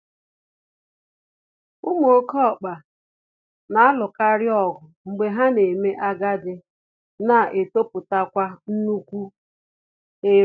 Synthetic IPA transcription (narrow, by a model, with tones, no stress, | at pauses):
u˦mo˨ɾkɔ˦˨k͡pa˨ | na˨a˦lʊ˨ka˦ɾɪ˦ɔ˨ɡʊ˨ŋ͡m̩˨ɡ͡be˨ɦa˦ne˨me˦ʔa˦ɡa˦dɪ˨ | na˨ʔe˨to˦pʊ˨ta˦kʷa˦n̩˦nu˦kʷu˦ | e˦